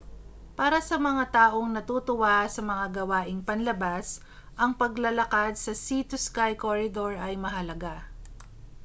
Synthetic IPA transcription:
paːɾɐsɐmɐŋat̪aːʔoŋnɐt̪uːt̪ʊwasɐmɐŋaɡɐwaːʔɪŋpɐnlɐbas | ʔɐŋpɐɡlɐlɐkad̪̚sɐsit̪ʊskajkoɹɪd̪oɹʔɐjmɐɦɐlɐɡa

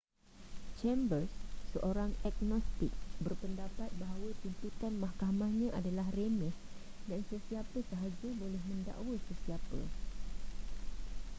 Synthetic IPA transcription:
t͡ʃɛmbərsːəʔoɾaŋɛk̚nɔst̪ɪk̚bərpəndapat̪̚baɦawət̪int̪ut̪anmahkamãhɲãʔadalaɦremɛh | dansəsiapəsəɦad͡ʒubolɛhmə̃nda̰ʔwəsəsiapə̰

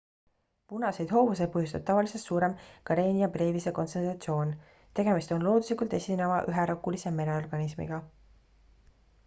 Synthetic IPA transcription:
punɑse̞jd̪ɦo̞ːvus̬e̞pɤɦjust̪ɑb̥̚t̪ɑvɑliselt̪suːɾe̞mkɑɾeːnʲiɑbreːvise̞ko̞nt̪sent̪rɑt̪sio̞ːn | t̪e̞ɡ̥e̞mist̪o̞nlo̞ːd̪uslikˑult̪e̞sʲinevɑʔyɦeɾokːˑulise̞me̞neorɡ̥ɑnismḭɡ̥ɑ

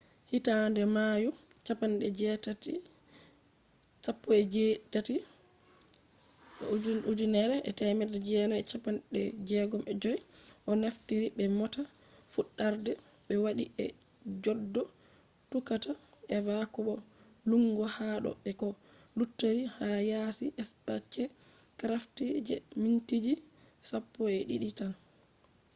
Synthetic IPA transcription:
hitandɛmaju | t͡ʃapanɗɛd͡ʒɛtati | sapːɔɛd͡ʒetati | ud͡ʒunɛɾɛʔɛ̰tajmɛdɛd͡ʒɛnaɛt͡ʃapanɗɛd͡ʒɛɡɔmɛd͡ʒɔjʔɔnaftiɾibɛmɔta | fuɗːaɾdɛ | ɓɛwaɗiɛ̰ | d͡ʒɔdːɔ | tukataɛvakɔɓɔ | luŋɡɔhaɗɔ̰ɓɛkɔ | lutːeɾihajasiʔɛspat͡ʃːɛ | kɾaftid͡ʒɛ̰mintid͡ʒi | sapːɔɛɗiɗitan

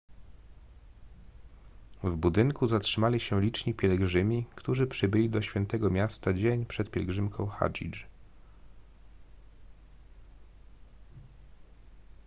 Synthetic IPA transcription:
vbud̪ɘŋkuzatʂɘmalʲiɕɛlʲit͡ʂɲipʲjɛlɡʐɘmʲikt̪uʐɘpʂɘbɘlʲid̪ɔɕfʲjɛnt̪ɛɡɔmʲjast̪ad͡ʑeɲpʂɛt̪pʲjɛlɡʐɘmkʰɔ̰̃w̃xa̰d͡ʑḭt͡ʂ

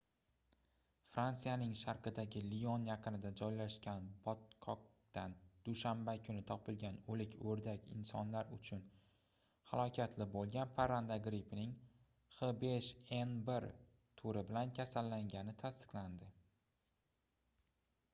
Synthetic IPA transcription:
fɾant̪sijanɪŋʃaɾqɨd̪aɡʲɪlionjɑqʰɨnɪd̪ad͡ʒɒjlaʃkʲanbɒt̪kʰɒk̚ | t̪and̪̥uʃambakʲʰʊnɪt̪ʰɒpɪlɡʲanɵlɪkʲʰɵɾd̪akʲɪ̰nsɒnlaɾʊt͡ʃʰʊn | ha̰lˠɒkʲʰat̪ʰlɪbolˠɡʲanpʰaɾand̪aɡɾɪpʰɪnɪŋ | χɨbeʃenbeɾ | t̪ʰoɾɪbɪlankʲʰasalːaŋɡʲanɪt̪ʰast̪ɨ̥qland̪ɪ

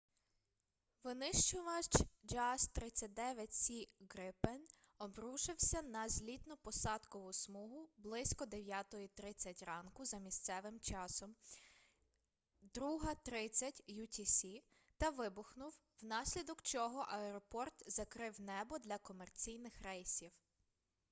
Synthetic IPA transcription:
ʋɪnɪʃt͡ʃʊʋɐt͡ʃd͡ʒɑst̪ɾɪt͡sʲːɐt̚ʲd̪ɛʋʲjɐtʲsʲiɡɾɪpɛnɔbɾuʃɪwsʲɐnɐzʲlʲit̪nʊpɔsɑd̪kɔʋʊsmuɦʊblˠɪsʲkɔd̪eʋʲjat̪ɔjit̪ɾɪt͡sʲːɐtʲrɑnkʊzɐmʲist̪sɛʋɪmt͡ʃɑsɔm | d̪ɾuɦɐt̪ɾɪt͡sʲːɐtʲjut̪ʲisʲi | t̪ɐʋɪbʊxnʊw | wnɑsʲlʲid̪ɔkt͡ʃɔɦɔʔɐɛɾɔpɔrt̪zɐkɾɪwnɛbɔd̪lʲɐkɔmert͡sʲijnɪxrɛjsʲiw

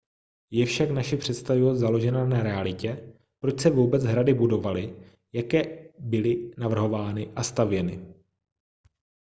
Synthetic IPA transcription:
jɛfʃaknaʃɛpr̥ɛt̪st̪avɪvozalo̞ʒɛnanaɾɛalɪcɛ | pɾo̞t͡ʃsɛvuːbɛd͡zɦɾadɪbudo̞valɪ | jakɛːbɪlɪnavr̩ɦo̞vaːnɪʔast̪avjɛnɪ̰

